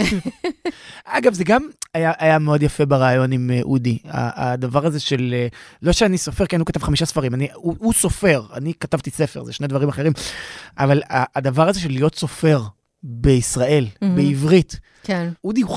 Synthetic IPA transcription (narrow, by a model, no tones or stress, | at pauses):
aɡavzeɡamajaʔajameo̞djafe̞beʁaːjo̞nimeʔudia̰ad̪avaʁazeʃe̞lelo̞ʃeaniso̞fe̞ʁkenhukatavχamiʃasfaʁimaniuuso̞fe̞ʁa̰nikatavt̪ise̞fe̞ʁzeʃne̞d̪vaʁimaχe̞ʁimʔavalaːd̪avaʁazeʃe̞lːijo̞tso̞fe̞ʁ | be̞isʁae̞lbeivʁit | kenudiu